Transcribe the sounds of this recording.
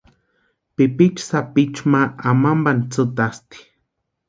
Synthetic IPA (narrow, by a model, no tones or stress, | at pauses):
pipit͡ʃsapit͡ʃmaamambant͡sɨt̪ast̪i̥